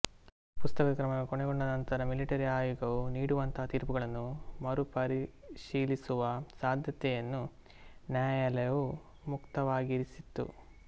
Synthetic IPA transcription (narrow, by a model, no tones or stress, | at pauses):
pust̪ɐkɐkɾɐmɐɡekoɳɛɡoɳɖɐnɐnt̪ɐɾɐmiliʈɐɾiaːjɔɡɐʋuniːɽuʋɐnt̪ɐɦɐt̪iːɾpuɡɐɭɐnːumɐɾupɐɾiʃiːlisuʋɐsaːd̪ʱjɐt̪ɛjɐnːu | njaːjalɐjɐʋu | mukt̪ɐʋaːɡiɾisit̪ːṵ